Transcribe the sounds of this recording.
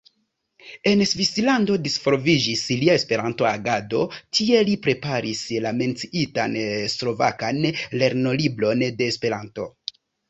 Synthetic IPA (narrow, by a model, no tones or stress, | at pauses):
e̞nsvislando̞disfoɾvid͡ʒisliaespe̞ɾanto̞aɡado̞tʰie̞lipɾe̞paɾislame̞nt͡siitanslo̞va̰kanle̞ɾno̞libɾo̞nde̞ːspe̞ɾanto̞